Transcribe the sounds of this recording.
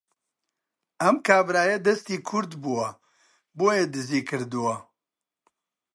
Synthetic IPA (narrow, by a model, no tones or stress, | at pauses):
ɐmkʰaːbɾaːjɐd̪ɐst̪iːkʰʊɾd̪buwɐ | boːjed̪ɨziːkʰɨɾd̪uwɐ